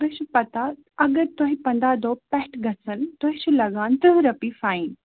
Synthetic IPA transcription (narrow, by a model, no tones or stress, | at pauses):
t̪ʊɦɪ̃t͡ʃʰupɐt̪a | ɐɡəɾt̪ʊɦɪ̃pɐ̃nd̪ad̪opɛɦʈɡʱɐsənt̪ʊɦɪ̃t͡ʃulɐɡaːnt̪ʊɦɾɐpifaːiːn